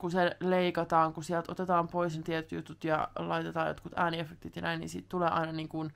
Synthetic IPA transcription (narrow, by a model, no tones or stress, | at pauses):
kuseleikɑt̪ɑːŋkusiɛlt̪o̰t̪et̪ɑːmpoisnɑt̪iɛt̪ːyt̪ut̪jɑ̰lɑit̪et̪ɑːjot̪kut̪æːniefːek̚t̪it̪jɑnæinḭːnsḭːt̪t̪uleːʔɑ̰inɑniːŋkun